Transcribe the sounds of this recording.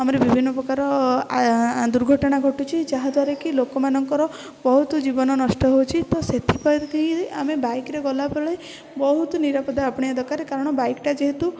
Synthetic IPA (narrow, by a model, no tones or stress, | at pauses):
amɔɾebibʱinːɔpɾɔkaɾɔ | d̪uɾɡʱɔʈɔɽ̃aɡʱɔʈut͡ʃʰid͡ʒaɦad̪ʱwaɾekilokɔmanɔŋkɔɾɔ | bɔɦut̪ud͡ʒibɔnɔnɔsʈɔɦowt͡ʃʰit̪ɔset̪ʰipɔjɾkiɦĩd̪eʔamebajkɾeɡɔlapeɭej | bɔɦut̪uniɾapɔd̪aapɔɽ̃iad̪ʱɔkaɾekaɾɔɽ̃ɔbajkʈad͡ʒeɦet̪u